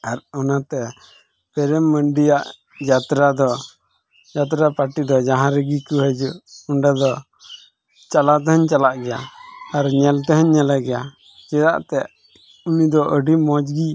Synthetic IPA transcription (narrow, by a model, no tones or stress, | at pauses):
aɾɔnat̪ɛ | pɛɾɛmːəɳɖijaʔ | d͡ʒat̪ɾad̪ɔ | d͡ʒat̪̬ɾapaʈid̪ɔd͡ʒaɦãɾəɡikuɦəd͡ʒuʔuɳɖad̪ɔ | t͡ʃalat̪̬ɛhəɲt͡ʃalaʔɡɛjaaɾɲɛlt̪ɛɦɛɲːɛlaɡɛja | t͡ʃɛd̪aʔt̪ɛʔ | unid̪ɔʔəɖimɔd͡ʒɡi